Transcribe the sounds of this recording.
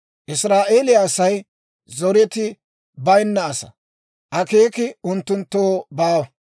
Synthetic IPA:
ʔɪsɾaːʔeːlɪjasɐj | zɔɾɛt̪ɪ | bɐjnːɐːsɐ̥̰ | ʔɐke̞ːkɪʊnt̪ːʊnt̪ːo̞ːbaːwɐ

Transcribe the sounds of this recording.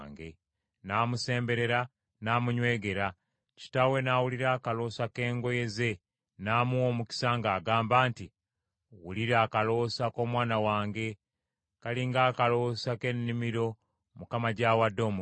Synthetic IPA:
ŋɡe̞̰ | naːmuse̞ːmbe̞ɾe̞ɾa | naːmuɲwe̞ːɡe̞ɾa | ci̥tawe̞naːwuliɾaːkalo̞ːsake̞ːŋɡo̞je̞ze̞ | naːmuoːmuki̥saŋɡaːɡaːmbaːnti | wuliɾaːkalo̞sako̞ːmwaːnawaːŋɡe̞ | kaliŋɡaːkalo̞sake̞nːimiɾo̞ | mukamaɟawadːo̞ːmu

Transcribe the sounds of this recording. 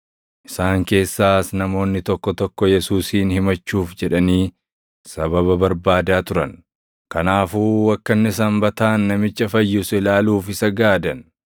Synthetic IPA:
ʔɪ̥saːŋke̞ːsːaːsnɐmo̞ːnːɪt̪ɔkːɔt̪ɔkːɔjɛsuːsiːnhɪmɐt͡ʃːuːfd͡ʒɛᶑɐniː | sɐbɐβɐbɐɾbaːd̪aːt̪ʊɾɐn | kɐnaːfuːwɐkːɐnːɪs̬ɐmbɐt̪aːnːɐmɪt͡ʃːɐfɐjːʊsɪlaːluːfɪsɐɡaːd̪ɐn

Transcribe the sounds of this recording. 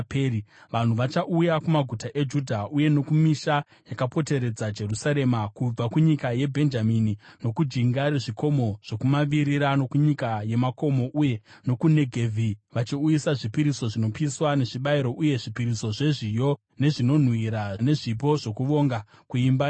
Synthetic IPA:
peɾiʋan̤uʋat͡ʃaʔujakumaɡʱutaʔe̞d͡ʒudʱaʔuje̞no̞kumiʃa | jakapo̞te̞ɾe̞d͡zad͡ʒe̞rusaɾe̞makub͡vakuɲikaje̞bʱe̞nd͡ʒaminino̞kud͡ʒiŋɡaɾiʐiko̞mo̞ʐ̥o̞kumaʋiɾiɾano̞kuɲikaje̞mako̞mo̞ʔuje̞no̞kune̞ɡʱevʱiʋat͡ʃiujisaʐipiɾiso̞ʐino̞piswane̞ʐiɓaiɾo̞ʔuje̞ʐipiɾiso̞ʐe̞ʐijo̞ | ne̞ʐino̞n̤wiɾane̞ʐip̬o̞ʐo̞kuʋo̞ŋɡa | kuimba

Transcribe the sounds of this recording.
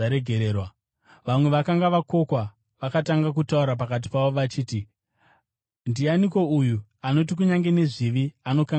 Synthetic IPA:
aɾeɡʱeɾeːrwa | ʋamwe̞ʋakaŋɡaʋako̞kwa | ʋakataŋɡak̬utauɾap̬akat̬i̥paʋoʋat͡ʃiːti | ndianiko̞ujuano̞t̬ik̬uɲaŋɡe̞ne̞ʐiʋiano̞ka

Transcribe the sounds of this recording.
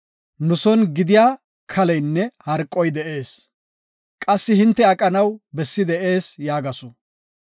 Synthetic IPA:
nʊsɔnɡɪd̪ɪjaː | kʰɐlɛjnːɛhɐɾkʼːɔjd̪ɛʔe̞ːs | kʼɐsːɪhɪnt̪ːɛɐkʼɐnɐwbɛsːɪd̪ɛʔe̞ːsjaːɡɐsʊ

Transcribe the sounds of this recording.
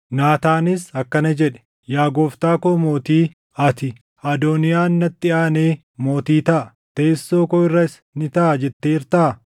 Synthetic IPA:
naːt̪aːnɪsɐkːɐnɐd͡ʒɛᶑɛ̥ | jaːɡoːft̪aːkoːmo̞ːt̪iː | ɐt̪ɪ | ɐd̪oːnɪjaːnːɐt̪ːɪaːneː | mo̞ːt̪iːt̪ɐʔɐ | t̪eːsːoːkɔɪrːɐɪs | nɪt̪ɐʔd͡ʒɛt̪ːeːɪɾt̪ɐʔɐ

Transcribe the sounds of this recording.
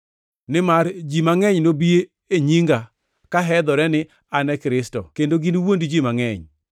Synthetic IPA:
nɪmaɾd͡ʒimaŋɛɲnobie | eɲiŋɡa | kaɦɛd̪ɔɾɛnɪ | anɛkɾɪstɔ̰kendoɡinwondd͡ʒimaŋɛɲ

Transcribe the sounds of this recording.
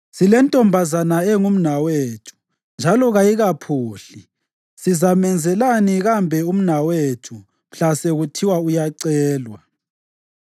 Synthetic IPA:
silɛntʼɔmbʱazanaɛŋum̩naweːtʰu̥ | nd͡ʒʱalɔɣajiɣapʰuːɬi | sizamɛnd͡zʱɛlaniɣambʱɛum̩nawetʰu | m̩ɬasɛɣutʰiwaujaǀɛːlwa

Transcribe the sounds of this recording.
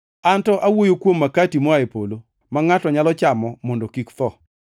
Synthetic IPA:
antɔʔawojokwomːakatimɔaepolo | maŋatɔɲalɔt͡ʃamɔmɔndɔkikt̪ɔ

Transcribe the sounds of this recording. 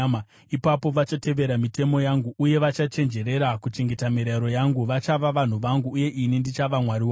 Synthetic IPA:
ma | ipapo̞ʋat͡ʃate̞ʋe̞ɾamite̞mo̞jaŋɡuʔːje̞ʋat͡ʃat͡ʃe̞nd͡ʒe̞ɾe̞ɾakut͡ʃe̞ŋɡe̞tamiɾaɾo̞jaŋɡuʋat͡ʃaʋaʋan̤uʋaŋɡuːje̞ʔinindit͡ʃaʋamwaɾiwa

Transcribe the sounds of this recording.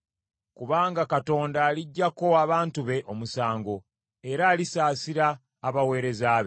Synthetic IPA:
kuβaːŋɡakato̞ːndaːliɟːako̞aβaːntuβe̞ʔo̞musaːŋɡo̞ | e̞ɾaːlisaːsiɾaː | βawe̞ːɾe̞zaβe

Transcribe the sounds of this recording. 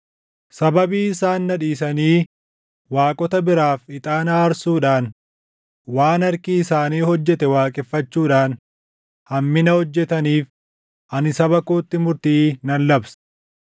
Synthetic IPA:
sɐbɐbiːɪsaːnːɐᶑiːsɐniː | waːkʼɔt̪ɐbɪɾaːfɪt̪ʼaːnaːɾsuːᶑaːn | waːnɐɾkɪɪsaːniːhɔd͡ʒːɛt̪ɛwaːkʼɪfːɐt͡ʃːuːᶑaːn | hɐmːɪnɐhɔd͡ʒːɛt̪ɐniːf | ʔɐnɪsɐbɐkoːt̪ːɪmʊɾt̪iːnɐnlɐbsɐ̥

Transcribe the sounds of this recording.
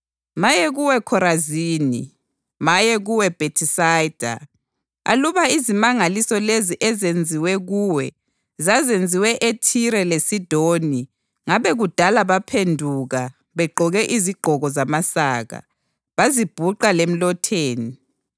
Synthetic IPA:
majɛɣuwɛkʰɔɾaziːnḭ | majɛɣuwɛb̥ʱetʰisajd̥ʱa̰ | a̰luβaizimaŋalisɔleziʔɛzend͡zʱiwɛɣuːwɛ | zazend͡zʱiwɛʔetʰiɾɛlesid̥ʱoni | ŋaβɛɣud̥ʱalaβapʰendʱuɣa | βɛɡ͡ǃʱɔɣɛʔiziɡ͡ǃʱɔɣɔzamasaːɣa̰ | βazib̥ʱuǃalem̩lɔtʰeːni

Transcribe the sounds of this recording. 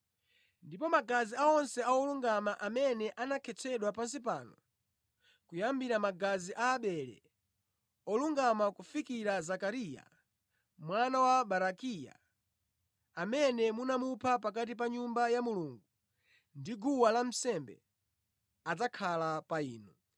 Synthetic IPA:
ndipɔmaɡaziaɔnsɛʔawɔluŋɡamaʔamɛnɛʔanakʰɛt͡sʰɛɗwapans̬ip̬anɔ | kujambiɾamaɡaziʔaːɓɛlɛ̰ | ɔluŋɡamakufikiɾazakaɾija̰ | mwanawaɓaɾakija̰ | amɛnɛmunamupʰap̬ak̬at̬ip̬aɲumbajamuluŋɡu | ndiɡuwalam̩sɛmbɛ̰ | ad͡zakʰalapaiːnu

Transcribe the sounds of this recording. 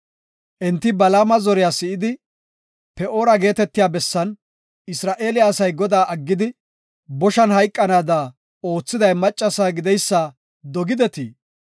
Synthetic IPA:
ʔɛnt̪ːɪbɐlaːmɐzɔɾɪjaːsɪʔɪd̪ɪ | pɛo̞ːɾɐɡe̞ːt̪ɛt̪ːɪjaːbɛsːɐn | ɪsɾaːʔe̞ːlɪjaːsɐjɡɔd̪aːʔɐɡːɪd̪ɪ | bɔʃɐnhɐjkʼːɐnaːd̪a | o̞ːt͡sːɪd̪ɐjmɐt͡ʃʼːɐsaːɡɪd̪ɛjsːa | d̪ɔɡɪd̪ɛt̪ḭː

